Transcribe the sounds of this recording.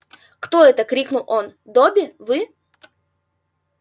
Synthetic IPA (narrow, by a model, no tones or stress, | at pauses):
kt̪oɛt̪əkɾʲiknʊlˠond̪obʲɪvɨ